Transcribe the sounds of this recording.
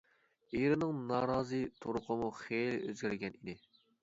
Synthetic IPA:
eɾɪnɨŋnɑːɾɑːzɨt̪ʰoɾʊqʰəmuχeløzɡʲæɾɡʲɛnid̪ɪ

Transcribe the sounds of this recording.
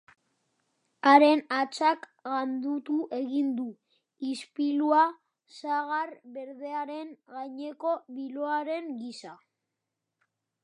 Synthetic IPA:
aɾe̞nat͡sak | ɣand̪ut̪uʔe̞ɣind̪u | ispilua | saɣ̞aɾβe̞ɾðe̞aɾe̞nŋɣajɲe̞ko̞βiloaɾe̞ŋɡisa

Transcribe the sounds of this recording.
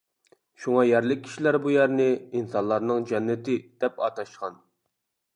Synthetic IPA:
ʃuŋɑjæɾlɪk̚ʲʰːi̥ʃilæɾbujæɾnɪinsɑnlˠɑɾnɨŋd͡ʒɛnːɪt̪ɪd̪̥ɛpɑ̰t̪ʰɑʃqɑn

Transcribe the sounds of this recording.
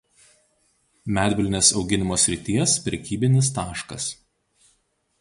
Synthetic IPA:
mʲæːd̪ʲbʲɪlʲnʲeːsɒʊɡʲɪnʲɪmoːsʲɾʲɪt̪ʲiɛspʲɾʲɛkʲiːbʲɪnʲɪs̬t̪ɑːʃkɐ̰s

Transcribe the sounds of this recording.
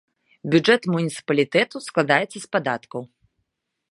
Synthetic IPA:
bʲud͡ʐɛt̪munʲit̪sɨ̥pɐlʲit̪ɛt̪usklˠad̪ajɛt̪sːɐspad̪at̪kɐw

